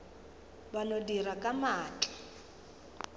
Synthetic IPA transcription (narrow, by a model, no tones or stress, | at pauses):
banodirakʼamaːt͡ɬʼḁ